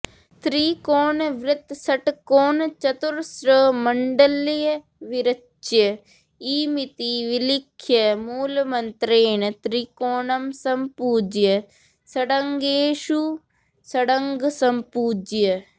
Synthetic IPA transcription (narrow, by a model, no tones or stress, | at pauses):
t̪ɾiːkoːnʋɾɪt̪səʈkoːnt͡ʃət̪ʊɾsɾəməɳɖəlj | ʋɪɾə | t͡ʃjə | iːmɪt̪iʋɪlɪkʰːjəmuːlmənt̪ɾeːɳt̪ɾikoːnəmsɐmpuːd͡ʒjə | səɽəŋɡeːʃu | səɽəŋɡsɐmpuːd͡ʒjə